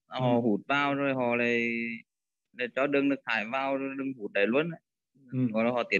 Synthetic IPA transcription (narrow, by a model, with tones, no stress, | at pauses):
hɔ˧˩ɦu˧˩t̚vaː˧wzo˨˩jɦɔ̰˧˩laː˨˩j | la˨˩jt͡ɕɔ˧˦ɗɨ˧ŋɗɨ˨˩ək̚t̪ʰaː˧˩jvaː˧wzo˨˩jɗɨ˧ŋhu˧˩t̚ɗə˨˧˩jlu˧ənə˧˨˩j | ɔ̰˧˩laː˨˩hɔ̰˧˨˩t̪i˨˩ə